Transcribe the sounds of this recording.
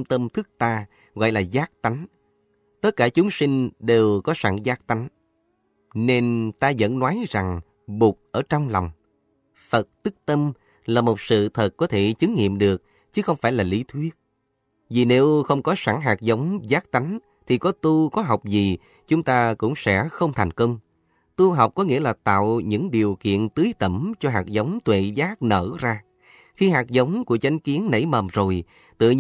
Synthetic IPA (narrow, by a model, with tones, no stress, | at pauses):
mt̪ə˧mt̪ʰɨ˦˥k̚t̪aː˧ | ɣɔ̰ː˧˨jlaː˨˩zaː˦˥k̚t̪a˨˦jŋ̟ | t̪ə˦˥t̚kaː˧˩t͡ɕʊ˨˦ŋ͡msï˧ŋ̟ɗe˨˩wkɔ˨˦saː˧˩ŋzaː˦˥k̚t̪a˨˦ŋ | ne˧nt̪aː˧zə̰˧˥nːwaː˨˦jza˨˩ŋ | ɓu˨˩k̚ʔəː˧˩t͡ɕɔ˧wŋ͡mlɔ˨˩wŋ͡m | fə˨˩t̚t̪ɨ˦˥k̚t̪ə˧m | laː˨˩mo˨˩t̚sɨ̰˧˨t̪ʰə˨˩t̚kɔ˨˦t̪ʰe˧˩t͡ɕɨ˨˦ŋŋḭ˧˨əmɗɨ˨˩ək̚ | t͡ɕɨ˨˦xə˧wŋ͡mfaː˧˩jlaː˨˩li˨˦t̪ʰwi˦˥ət̚ | vi˨˩ne˨˦wxə˧wŋ͡mkɔ˨˦sa˧˩ŋɦaː˨˩k̚zə˨˦wŋ͡mzaː˦˥k̚t̪a˨˦jŋ̟ | t̪ʰi˨˩kɔ˨˦t̪u˧kɔ˨˦ɦa˨˩wk͡p̚zi˨˩ | t͡ɕʊ˨˦ŋ͡mt̪aː˧kʊ̰˧˥ŋ͡msɛ̰˧˥xə˧wŋ͡mt̪ʰa˨˩jŋ̟kə˧wŋ͡m | t̪u˧ɦa˨˩wk͡p̚kɔ˨˦ŋḭ˧˥əlaː˨˩t̪a̰ː˧˨wɲɨ̰˧˥ŋɗi˨˩əwkḭ˧˨ənt̪ɨ˨˦jt̪ə˧˩mt͡ɕɔ˧ɦaː˨˩k̚zə˨˦wŋ͡mt̪wḛ˧˨zaː˦˥k̚nə̰ː˧˩zaː˧ | xi˧ɦaː˨˩k̚zə˨˦wŋ͡mku˧˩ət͡ɕa˨˦jŋ̟ki˨˦ənnə̰˧˥˩jməː˨˩mzo˨˩j | t̪ɨ̰˧˨